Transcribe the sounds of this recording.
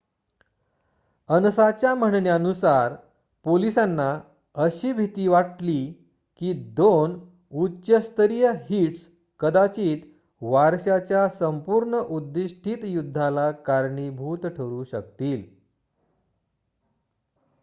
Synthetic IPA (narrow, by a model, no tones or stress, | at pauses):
ənsat͡ɕjam̤əɳɳjanusaɾ | polisanːa | əɕiːbʱit̪iːʋaʈli | kiːd̪on | utːɕəst̪əɾijəɦiʈs | kəd̪at͡ɕiːt̪ | ʋaɾɕat͡ɕjasəmpuːɾɳəʔud̪ːiɕʈʰiːt̪jud̪ʱːalakaɾɳibʱuːt̪ʈʰəɾuɕə̰kt̪iːl